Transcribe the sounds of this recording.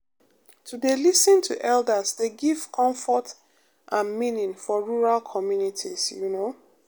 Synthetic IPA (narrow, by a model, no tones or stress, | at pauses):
tʰudelisə̃ntʰuʔɛldəsdeɡiv̥kʰɔ̃ɱfɔt | ʔãnmĩnĩŋfɔɹuɹalkʰɔmjunitʰisjuno